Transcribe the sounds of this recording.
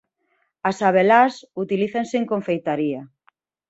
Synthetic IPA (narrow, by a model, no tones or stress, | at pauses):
asaβelasut̪iliθanseeŋkõɱfejt̪aɾia